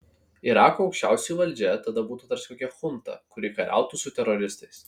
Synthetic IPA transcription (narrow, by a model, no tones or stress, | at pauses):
ɪɾɑːkuːɒʊkʃʲt͡ʃʲæˑʊsʲɛjuʋɐlʲd͡ʒʲɛt̪ɐd̪ɐbuːt̪uːt̪ɐɾsʲkoːkʲɛxʊnt̪ɐ̰kʊɾʲɪkɐɾʲʔæ̰ˑʊt̪uːsʊt̪ʲɛɾɔɾʲɪst̪ɐɪs